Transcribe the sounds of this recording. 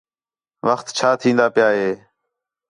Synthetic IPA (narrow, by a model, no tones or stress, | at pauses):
ʋəxt̪t͡ʃʰaːt̪ʰĩːnd̪aːpɪjaːɦeː